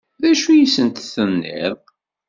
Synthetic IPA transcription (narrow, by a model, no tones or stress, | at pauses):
ðæʃujisənt̪θənːɪ̰ðˤ